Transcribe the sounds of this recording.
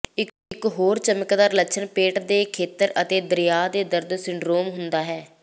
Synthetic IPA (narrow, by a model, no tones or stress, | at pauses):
ɪ | ɪkɦoːɾt͡ʃəməkd̪aːɾləʃʰənpeːʈd̪eːkʰeːt̪əɾət̪eːd̪əɾɪjaːd̪eːd̪əɾd̪sɪɳɖɾoːmɦʊnd̪aːɦɛː